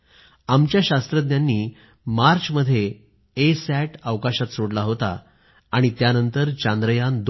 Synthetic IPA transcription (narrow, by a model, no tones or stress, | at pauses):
amt͡ɕjaɕast̪ɾəd̪njanːiː | maɾt͡ɕməd̪ʱːje | esæʈaʋkaɕat̪soɽlaɦot̪a̰ː | ɽ̃it̪janənt̪əɾt͡ɕand̪ɾəjand̪